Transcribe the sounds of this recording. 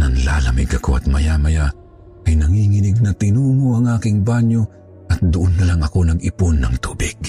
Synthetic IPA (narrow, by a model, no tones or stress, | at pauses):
nɐŋla̰lɐmɪ̰ɡɐko̰ɐ̰t̪̚mɐjamɐja | kɐjnɐŋiŋɪnɪɡ̚nɐt̪ɪnuːŋoʔɐŋʔaːkɪŋbaɲo | ʔɐt̪̚d̪ʊʔonːɐlaŋɐko̞nɐɡɪponːɐ̰ŋt̪uːbɪɡ̥̚